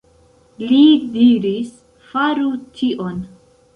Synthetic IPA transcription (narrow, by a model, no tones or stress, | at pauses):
lidiɾis | faɾutʰiʔon